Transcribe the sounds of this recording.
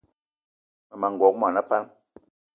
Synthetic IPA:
ma˨ma˨ŋ˨ɡɔ˨˦k̚m˦a˨na˦pa˦n

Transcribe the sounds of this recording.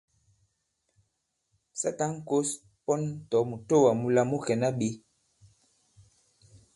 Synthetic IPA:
sa˦ta˦ŋ̩˦ko˦s | pɔ˦n˦tɔ˨˦mu˨to˦wa˨mu˦la˦mu˦kɛ˨na˦ɓe˨˦

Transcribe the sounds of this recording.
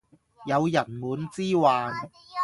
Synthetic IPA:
jɐ˨˧wjɐ˨˩nmuː˨˧˥nt͡siː˥waː˨n

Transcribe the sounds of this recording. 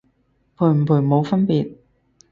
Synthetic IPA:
pʰuː˨˩ɥm̩˨˩pʰuː˨˩mo˨˧wfɐ˥npiː˨t̚

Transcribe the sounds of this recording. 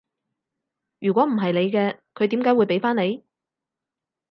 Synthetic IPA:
jyː˨kʷɔː˨˥m̩˨˩ɦɐ˨jle˨˧jkɛː˧kʰɵ˨˧ɥt̪iː˨˥mkaː˨˥jwu˨˧jpe˨˥jfaː˥ne˨˧j

